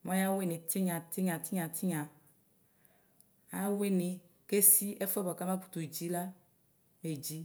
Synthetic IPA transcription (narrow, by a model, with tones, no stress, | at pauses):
mɔ̃˦ja˦we˦nĩ˨ti˦ɲã˨ti˦ɲã˨ti˦ɲã˨ti˦ɲã˨ | a˦we˦ni˨ | ke˦si˦ɛ˦fɛ˦bɔ˨ka˦ma˦pu̥˨t̪u˨d͡ʒi˦la˦ | me˨d͡ʒi˦